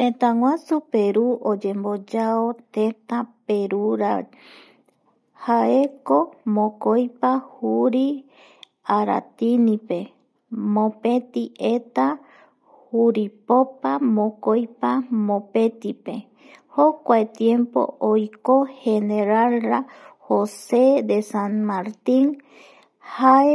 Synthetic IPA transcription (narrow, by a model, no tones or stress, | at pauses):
t̪ẽt̪ãŋwasupeɾuʔod͡ʒe̞mbod͡ʒaot̪ẽt̪ape̞ɾuɾa̰ | haeko̞mõkojpahuɾi | aɾa̰t̪inipe̞ | mõpe̞t̪iʔet̪a | huɾipopamõkojpamõpet̪ipe | hokʷaet̪jempo̰ojkoheneɾalɾahosed̪esanmaɾt̪in | hae